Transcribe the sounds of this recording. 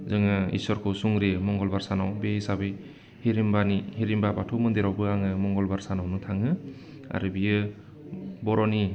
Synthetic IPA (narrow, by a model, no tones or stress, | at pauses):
zɯŋaḭsɔɾkʰɔsuŋɾemɔŋɡɔlbaɾsanawbeisabɯj | hiɾimbanihiɾimbabatʰɔmɯnd̪eɾawbɯaŋɯmɔŋɡɔlbaɾsanawnɯtʰaŋɯ | a̰ɾɯbijɯ | bɔɾɔni